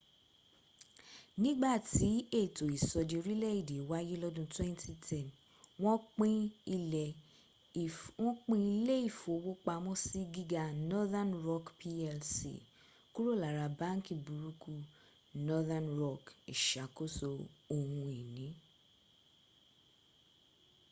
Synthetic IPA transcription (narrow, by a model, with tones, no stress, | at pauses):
nĩ˦ɡ͡ba˦˨tʰi˨˦e˦˨to˨i˨sɔ˨di˧ɾi˦lɛ˦˨i˦˨de˨˦wa˨˦je˦lɔ˦dũ˧twɛ̃˦n˦tʰi˦tʰɛ̃˦˨n | w̃ɔ̃˦k͡pĩ˦i˧lɛ˨ | wɔ̃˦k͡pĩ˦i˧le˦i˦˨fo˨˦wo˦k͡pa˧mɔ̃˦si˦ɡi˦ɡa˧nɔ˦ða˦nɾɔ˦kpʰi˦ɛ˧lsḭ˦˨ | ku˦ɾo˦˨la˨ɾa˨˧bã˦ŋ˦ki˨bu˨ɾu˧˦ku˦ | nɔ˦ða˦nɾɔ˦˨kḭ˨ʃa˨ko˦so˧o˨hũ˧i˨nĩ˨˦